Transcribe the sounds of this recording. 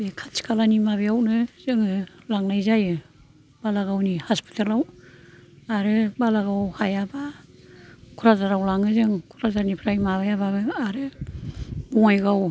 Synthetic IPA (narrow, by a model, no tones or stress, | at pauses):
bekʰatsi̥kʰalanimabejawnɯz̥ɯŋɯlaŋnajzajɯ | b̥alaɡawnihaspi̥tʰalaw | aɾɯbalaɡawhajaba | kʰuɾazaɾawlaŋɯzɯŋkʰuɾazaɾnipʰɾajmaβajaβabɯaɾɯ | mɔŋajɡaw